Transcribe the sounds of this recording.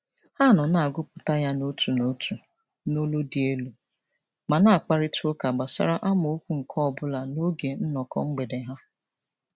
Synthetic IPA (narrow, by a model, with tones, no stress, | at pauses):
ha˦˨nɔ˨na˨a˨ɡʊ˦pʊ˨ta˦ja˦no˦tu˨no˦tu˨ | no˦lo˦di˨e˦lu˨ | ma˨na˦a˨k͡pa˦ɾɪ˦to˦ka˨ɡ͡ba˨sa̰˨ɾa˦ʔa˦m˨o˦kʷu˦ŋ̩˨kʰɔ˦ɔ˨bʊ˦la˨no˦ɡe˨n̩˦nɔ˨kɔ̰˨ŋ͡m̩˦ɡ͡be˨de˨ɦa˦